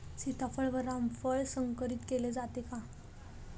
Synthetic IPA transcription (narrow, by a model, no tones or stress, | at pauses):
sit̪ʰafəɭʋəɾamfəɭsəŋkəɾiːt̪keled͡zat̪ekã